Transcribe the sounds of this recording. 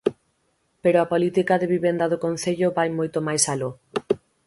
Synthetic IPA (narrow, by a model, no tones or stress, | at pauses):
peɾoapolit̪ikaðeβiβend̪aðokon̟θeʎoβajmojt̪omajsalo